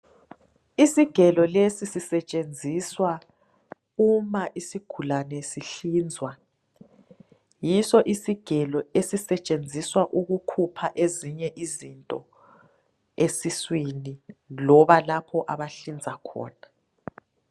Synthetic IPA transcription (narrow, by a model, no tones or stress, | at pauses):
isiɡ̥ʱɛlɔlesisisɛt͡ʃʼend͡zʱiswa | umaʔisiɡ̥ʱulanɛsiɬiːnd͡zʱwa | jisɔʔisiɡ̥ʱɛlɔesisɛt͡ʃʼend͡zʱiswaʔuɣukʰupʰaʔeziɲɛʔizintʼɔ | esiswinilɔβalapʰɔʔaβaɬind͡zʱakʰɔ̰ːna